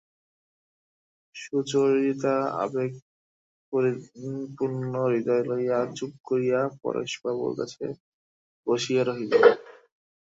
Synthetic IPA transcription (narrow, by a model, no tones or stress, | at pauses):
ʃud͡ʑoɾit̪aa̰beɡ̚ | poɾipuɾnnoɾid̪ɔjlojad͡ʑub̚koɾijapɔ̰ɾḛʃbabṵɾka̰t͡ɕʰḛ | b̥oʃijaɾoɦit̪o